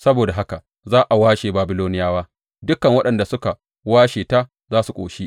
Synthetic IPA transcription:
sɐ˦boː˨da˨ɦa˦ka˨ | zaː˦ʔa˨waː˦ʃeː˨baː˨bɪ˦loː˦nɪ˦jaː˦waː˦ | dʊ˦kɐ˨ŋwɐ˦ɗɐ˨nda˨sʊ˦ka˨ | waː˦ʃeː˨ta˦ | zaː˦su˨kʷʼo̰ː˨ʃi˦ʔ

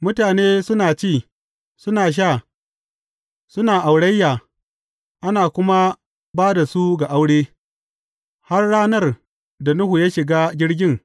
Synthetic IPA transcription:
mʊ˦taː˨neː˦sʊ˦naː˨t͡ʃiː˦˨ | sʊ˦naː˨ʃ̬aː˦˨ | sʊ˦naː˨ʔa˨wɽɐ˦jːaː˨ | ʔa˦naː˨kʷʊ˦ma˦ | baː˦da˨su˦ɡa˨ʔa˦wɽeː˦ | ha˦rɽaː˦nɐ˦˨r | da˨nʊ˦hu˨ja˦ʃɪ˨ɡaː˦ɡʲɪ˦ɽɡʲɪ˦ŋ

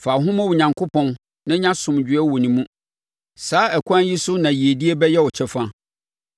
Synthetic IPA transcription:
fa˨ɦʊ̃˦mã˦wu˨ɲã˨ŋkʰʊ˦pʰɔ̃˦n | nã˦ɲã˦sʊ̃˨md͡ʑᶣɪ˨˦ɛ˦wɔ˨nĩ˨mũ˦ | saː˨˦ɛ˨kʷʰã˦nji˦sʊ˦nã˨ji˨e˨di˦e˦bɛ˦jɛ˦wɔ˨t͡ɕʰɛ˦fã˦

